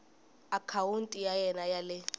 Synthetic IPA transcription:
akʰawuntʼijajɛnajalɛ

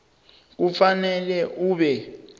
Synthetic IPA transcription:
k̬ufanɛlɛʔuːɓɛ

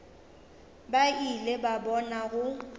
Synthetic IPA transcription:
bailebabɔnaɣʊ

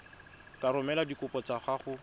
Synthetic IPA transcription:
kaɾʊmɛladikʊpɔt͡saχaχʊ

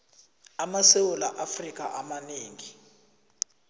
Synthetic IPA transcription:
amasewɔlaʔafrik̬ʼaʔamaneːŋi

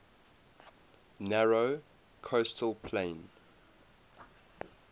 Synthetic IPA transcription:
nɛɹo | kʰostʰəlˠpʰlẽɪn

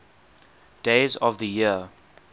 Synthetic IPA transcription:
d̥eɪzɔvðəjiə

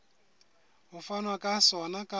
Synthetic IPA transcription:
ɦufanwakʼasɔnakʼa

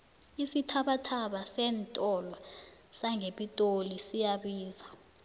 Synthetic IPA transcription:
isitʰaɓatʰaɓasɛːntʼɔlasaŋeɓitʼolisijaɓiːza

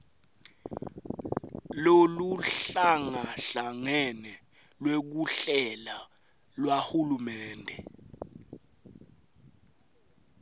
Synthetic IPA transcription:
loluɬaŋaɬaŋɛnɛ | lwek̬uɬɛla | lwahulumɛːndʱɛ

